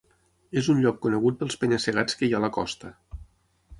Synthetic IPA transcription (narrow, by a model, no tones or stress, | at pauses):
ezunʎɔkːunəɣut̪̚pəlˠspəɲəsəɣat͡skəjaləkɔ̰st̪ə